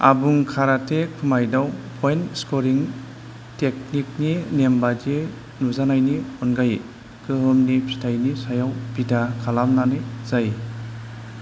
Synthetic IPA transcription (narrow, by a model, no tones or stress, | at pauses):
a̰buŋkʰaɾatʰekʰumajdawpʰɔjnskoɾiŋ | tek̚nik̚ninembadi | nuzanajniɔnɡaje | kɯɦɯmnipʰi̥tʰajnisajawbidakʰalamnanez̥aj